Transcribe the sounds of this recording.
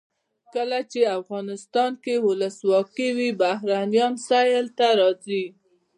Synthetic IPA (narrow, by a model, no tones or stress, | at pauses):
kəlat͡ʃeafɣɑnɪst̪ɑnkewʊləswɑkiwibahɾanijɑnsajlt̪aɾɑzi